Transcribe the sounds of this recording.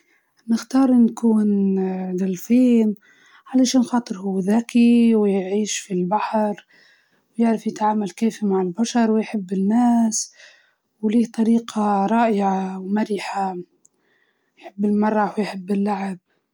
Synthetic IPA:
nɪxt̪ɑːɾˤʔɪnkuːnd̪alfiːn | ʕalaʃiːnxɑːt̪ˤɨɾhuwːðaːkiwjʕiːʃfilbaħɾ | wjɪʕɾafjɪt̪ʕaːmalkeːfimaʕɪlbaʃɑɾˤwjħɪbːɪnːaːs | wliːht̪ˤɑɾiːqʰɑɾˤɑːʔɪʕawmaɾiːħa | jħɪbːɪlmɑrˤːɑwjħɪbːɪlːaʕɪb̚

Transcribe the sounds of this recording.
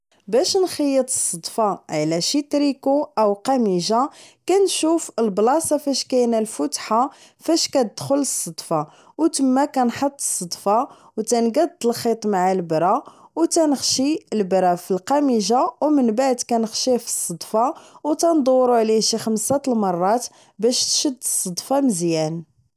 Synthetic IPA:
bæʃnxəjːət̪ˤə̥sˤːəd̪ˤfɑʕlæʃit̪ɾikuʔəwqæmiʒakænʃufəlblɑsɑfæʃkæjnælfʊt̪ħa | fæʃkæt̪̚d̪̥xʊləsˤːəd̪ˤfɑ | wt̪əmːækænħət̪ˤːə̥sˤːəd̪ˤfɑ | wt̪ænɡæd̪əlxit̪ˤmaʕalbɾɑwt̪ænəxʃiəlbɾɑfilqɑmiʒawmənbaʕd̪kænəxʃifi̥sˤːɑd̪ˤfɑwt̪ænd̪ˤuwːɾuʕliʃixəmsæt̪lmɑrˤːɑt̪ | bæʃt̪ʃəd̪ːəsˤːəd̪ˤfɑməzjæn

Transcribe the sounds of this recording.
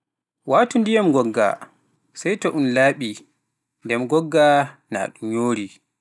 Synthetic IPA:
watundijamɡɔɡːa̰ | sajtɔʔunlaːɓi | ndɛmɡɔɡːana̰ːɗumɲoːɾi

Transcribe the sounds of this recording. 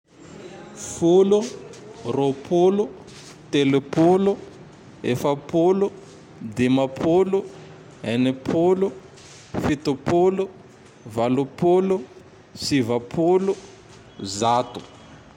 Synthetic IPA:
fulu | ropʰulu | t̪elepulu | efapulu | d̪emapʰulu | ɦenepʰulu | fit̪upolu | valupolu | sivapʰulu | zat̪u̥

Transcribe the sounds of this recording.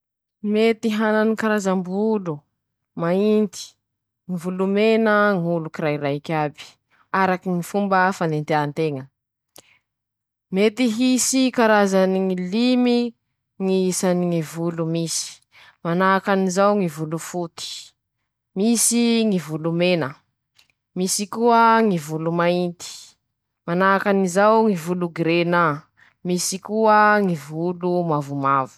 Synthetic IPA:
met̪iɦananikaɾazambulu | maint̪i̥ | ŋivulumenəŋulukiɾaiɾakʲabi̥ | aɾakiŋifumbəfanent̪eant̪eŋə | met̪iɦisikaɾazaniŋilimi | ŋiisaniŋivulumisi̥ | manaːkanizawŋivulufut̪i̥ | misiŋivulumenə | misikuəŋivulumaint̪i̥ | manakanizawŋivuluɡɾena | misikuəŋivulumavumavu̥

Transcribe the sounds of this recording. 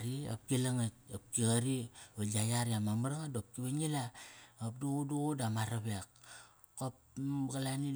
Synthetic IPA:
ɾia̰p̚kilaŋat̚ap̚kiɣaɾialajaɾiamamaɾaŋadop̚kiβanilaap̚duɣuduɣudamaɾabeak | kopɡalani

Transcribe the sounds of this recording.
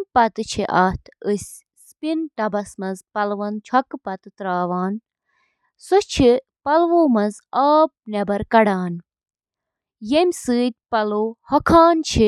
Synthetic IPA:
mʲpɐt̪ɨt͡ʃʰiʔaːt̪ʰɨsʲ | spinʈɐbɐsmɐnzpɐlʋɐnt͡ʃʰɐkpɐt̪ɨt̪ɾaːʋaːn | sut͡ʃʰi | pɐlʋoːmɐz | aːp̚nebɐɾkɐɽaːn | jemʲsɨːt̪̚ʲpɐloːhɐkʰaːnt͡ʃʰi

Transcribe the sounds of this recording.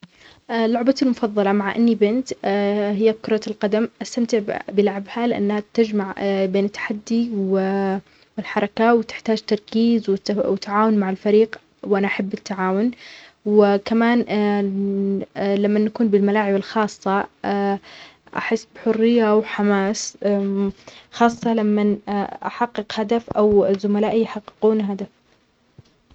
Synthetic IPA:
ʔlːʊʕbalmʊfɑðˤːɑlɑmaʕʔa̰nːibɪnt̪hɪjːakʊɾˤɑt̪lqɑd̪amʔast̪amt̪ɪʕbɪlaʕbhalɪʔa̰nːhat̪ɪd͡ʒmaʕbeːnɪt̪ːḁħad̪ːiw | wɪlħɑɾˤɑkawt̪ɪ̥ħt̪aːd͡ʒt̪ːɑɾˤkiːzwɪwɪt̪aʕaːwʊnmaʕɪlfaɾiːq | wʔanaʔaħabːɪt̪ːaʕaːwʊnwɪkamaːn | lamːanːakuːnbɪlmalaːʕɪbɪlxɑːsˤːɑ | ʔa̰ħɪsːbħʊrːɪjːawħamaːs | xɑːsˤːɑlamːanʔaħɑqːɨqhad̪afʔawzʊmalaːʔijħɑqːɪ̥quːnɦad̪af

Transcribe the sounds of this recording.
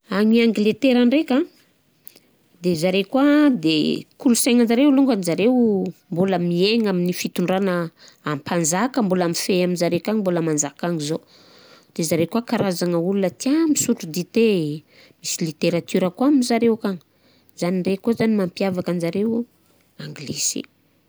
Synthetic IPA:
aŋiaŋɡilet̪eɾəɳɖ͡ʐeka | d̪ezaɾekwad̪ekulusaŋand͡ʒaɾewluŋɡanizaɾewmboləmieŋaminifit̪uɳɖ͡ʐanəː | mpʰanzakəmbolamifeaminzaɾewkaŋmboləmand͡ʒakaŋizo | d̪̥ezaɾewkuakaɾazaŋəulunət̪iamisuʈ͡ʂud̪it̪e | misilit̪eɾat̪yɾəkuaminzaɾewkaŋ | z̥anirekozanimampiavakand͡ʒaɾew | aŋɡlesḭ

